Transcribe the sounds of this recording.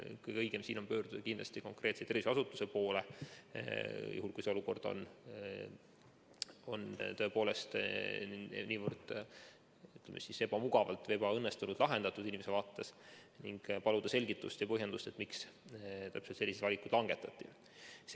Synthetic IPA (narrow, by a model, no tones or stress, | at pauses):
kɯjɡɤjɡ̥e̞msiːno̞npøːrd̪̥ud̪ɑkinlɑst̪iko̞ŋkre̞ːt̪set̪erviseɑsut̪ːˑu̥se̞poːle | jṵɦulkujseoluko̞rd̪̥o̰n | o̞̰nt̪oepo̞ːle̞st̪ | niːvərd̪̥ | yt̪ːˑlemʔesise̞b̥ɑmuɡ̥ɑvɑ̰lt̪ve̞bɑɤnːest̪unud̪̥lɑɦe̞nd̪ɑt̪ːˑud̪̥inʲimesevɑːt̪ːesniŋɡ̥pɑlud̪̥ɑse̞lʲɡ̥it̪ːust̪jɑpɤɦje̞nd̪̥ust̪e̞t̪ːˑmikst̪æpselt̪se̞lːisd̪vɑlʲikud̥̪lɑŋɡ̥e̞t̪ːˑɑt̪ːˑi | s